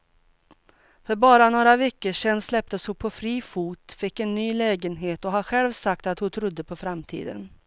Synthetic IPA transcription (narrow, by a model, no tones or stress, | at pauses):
fœɾbɑːɾanoːɾavɛkːəʂɛnːslɛp̚t̪əshʊpʰɔfɾiːfuːt̪fɪkːɛnːyːlɛːɡənɦeːt̪ɔɦaɧɛlvsak̚t̪at̪hʊt̪ʰɾʊd̪ːəpʰɔfɾamt̪ʰḭːd̪ə̰n